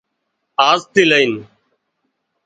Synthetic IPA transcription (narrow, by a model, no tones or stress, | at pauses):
aːzt̪iːləiːn